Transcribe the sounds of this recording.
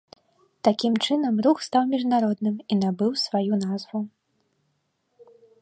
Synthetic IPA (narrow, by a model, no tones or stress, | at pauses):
t̪akʲimt͡ʂɨnɐmruxst̪awmʲiʐnaɾɔd̪nɨmin̪abɨwsvajunazvu